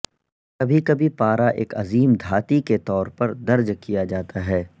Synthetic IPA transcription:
kɐbʱikɐbʱipaːɾaʔḛːkɐ̰ziːmd̪ʱaːt̪iket̪ɔːɾpɐɾd̪ɐɾd͡ʒkijad͡ʒaːt̪aɦɛː

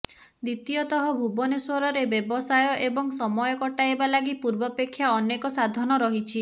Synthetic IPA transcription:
d̪it̪iɔt̪ɔɦɔbʱubɔneswɔɾɔɾebebɔsajɔʔebɔŋsɔmɔjɔkɔʈaebalaɡipuɾbɔpekʰːjaɔnekɔsad̪ʱɔnɔɾɔɦit͡ʃʰi

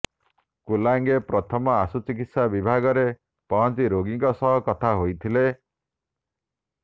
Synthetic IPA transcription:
kulaŋɡepɾɔt̪ʰɔmɔasut͡ʃikit̪sabibʱaɡɔɾe | pɔɦɔnt͡ʃiɾoɡiŋkɔsɔɦɔkɔt̪ʰaɦojt̪ʰile

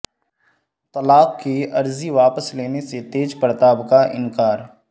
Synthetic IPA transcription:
t̪ɐlaːbkeɐɾziʋaːpəsleːneset̪eːd͡ʒpəɾt̪aːbkaʔɪ̰̃nkaːɾ

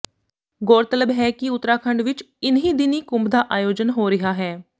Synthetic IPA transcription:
ɡoːɾt̪ələbɦɛːkɪʊt̪ːɾaːkʰəɳɖʋɪt͡ʃ | ɪnɦĩːd̪ɪniːkʊ̃mbd̪aːʔaːjoːd͡ʒənɦoːɾɪɦaːɦɛː

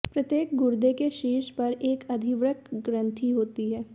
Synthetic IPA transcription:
pɾɐt̪jeːk̚ɡʊɾd̪ekeʃiːʃpɐɾeːkɐd̪ʱiʋɾəkɡɾə̃nt̪ʰiɦoːt̪iɦɛː

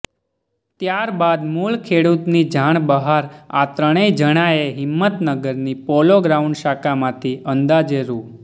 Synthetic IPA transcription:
t̪jaɾbad̪mulkʰeɽut̪nid͡ʒʱaɳ̃bəɦaɾa̰t̪ɾəɽ̃ed͡ʒəɽ̃aeɦɪmːət̪nəɡəɾnipɔloɡɾauɳɖʃakamãt̪ʰiʔənd̪ad͡ʒeɾu

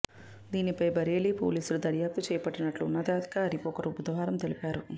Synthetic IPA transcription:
d̪iːnipɐjbɐɾeːlipo̰ːliːsulud̪ɐɾjaːp̚t̪ut͡ʃɛːjɐpɐʈːinɐʈluːnːɐd̪aːd̪i̥kaɐɾipɔːkɐɾubud̪ɐʋaːɾɐmt̪e̞lipaːɾu

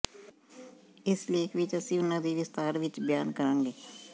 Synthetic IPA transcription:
ɪsleːkʰʋɪt͡ʃəsĩːʊnãːd̪iːʋɪst̪aːɾʋɪt͡ʃbjaːnkəɾãːŋɡeː

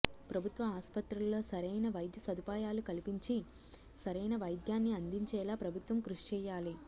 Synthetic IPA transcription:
pɾɐbʱut̪ʋɐaːspɐt̪ɾullːo̞ːsɐɾɐjnɐʋɐjd̪ʱjɐsɐd̪ʱupaːjaːlukɐlipiɲt͡ʃi | sɐɾɐjnɐʋɐjd̪jaːnːiɐnd̪iɲt͡ʃɛːlaːpɾɐbʱut̪ʋɐmkɾuʂi̥t͡ʃɛːjaːli

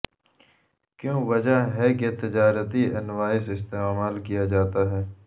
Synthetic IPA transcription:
kjõːʋɐd͡ʒaɦɛket̪ɪd͡ʒaːɾət̪iɐnʋaːɪsɪst̪eːmaːlkijad͡ʒaːt̪aɦɛː

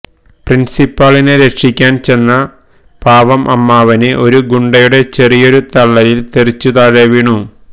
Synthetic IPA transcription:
prinsipːɐɭinɨɾe̞kʂikʲːaːnt͡ɕe̞nːɐ | paːʋɐmʔɐmːaːʋɐnɨʔo̞ɾuɡuɳɖɐjuɽe̞t͡ɕe̞rijo̞ɾut̪ɐɭːɐɾilt̪erit͡ɕːut̪aːɻeʋiːɳu

